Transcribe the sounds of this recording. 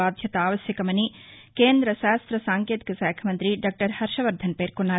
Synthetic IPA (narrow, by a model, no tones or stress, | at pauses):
aːd̪ʱjɐt̪ɐaːʋɐsjɐkɐmɐni | keːnd̪ɾɐʃaːst̪ɾɐsaːŋkeːt̪i̥kɐsaːjkʰɐmɐnt̪ɾiɖaːk̚ʈɐɾhɐɾʃɐʋɐɾd̪ʱɐnpeːɾkuɳːaː